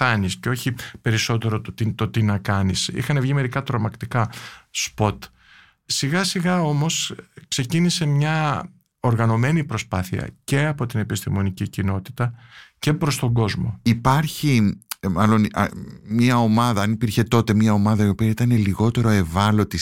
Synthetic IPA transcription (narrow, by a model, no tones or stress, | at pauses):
ɐnisceo̞çipe̞ɾiso̞t̪e̞ɾo̞t̪ot̪it̪o̞t̪inɐkɐnisḭxɐnevʝime̞ɾikɐt̪ɾomɐkt̪ikɐspo̞t̪ | siɣɐsiɣɐo̞mo̞skse̞cinise̞mɲɐ | o̞ɾɣɐno̞me̞nipɾo̞spɐθiɐ̰ce̞ɐpo̞t̪ine̞pist̪imo̞nicicino̞t̪i̥t̪ɐce̞pɾo̞st̪o̞ɡo̞zmo̞ipɐɾçimɐlo̞nmɲɐo̞mɐðɐɐnipiɾçe̞t̪o̞t̪e̞mɲɐo̞mɐðɐio̞piɐit̪ɐne̞liɣo̞t̪e̞ɾo̞e̞vɐlo̞t̪i